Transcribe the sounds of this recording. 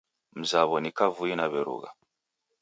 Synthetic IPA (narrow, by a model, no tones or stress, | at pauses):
m̩zaβɔnikavuinaβɛɾṵɣa̰